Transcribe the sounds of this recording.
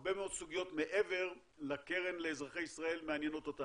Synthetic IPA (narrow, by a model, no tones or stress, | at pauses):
be̞meo̞d̪suɡijo̞t̪me̞ʔeve̞ʁ | lakeʁenleːzʁaχejisʁae̞lmeanjeno̞t̪ota